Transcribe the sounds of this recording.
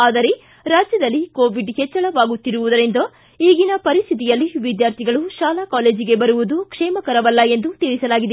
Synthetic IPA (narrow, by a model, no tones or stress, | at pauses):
aːd̪ɐɾe | ɾaːd͡ʒjɐd̪ɐlːikoːʋiɖhɛt͡ʃːɐɭɐʋaːɡut̪ːiɾuʋud̪ɐɾind̪ɐ | iːɡinɐpɐɾist̪ʰit̪̬ijɐlːiʋid̪jaːɾt̪ʰiɡɐɭuʃaːlakaːle̞ːd͡ʒiɡe̞bɐɾuʋud̪ukʂɛːmɐkɐɾɐʋɐlːɐe̞nd̪ut̪iɭisɐlaːɡid̪e